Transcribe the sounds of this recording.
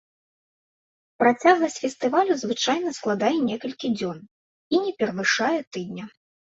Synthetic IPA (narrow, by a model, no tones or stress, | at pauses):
pɾat͡sʲaɣlˠɐsʲfʲɛst̪ɨvalʲuzvɨt͡ʂajnɐsklˠad̪ajɛnʲɛkɐlʲkʲid͡zʲɔn | inʲɛpʲɛɾɐvɨʂajɛt̪ɨd̪̚nʲɐ